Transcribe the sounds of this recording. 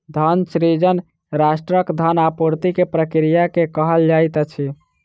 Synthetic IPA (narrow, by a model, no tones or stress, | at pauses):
d̪ʱənsɾid͡ʒən | ɾasʈɾəkd̪ʱənapuɾt̪ikepɾəkɾijakekəɦəld͡ʒajt̪ət͡ʃʰi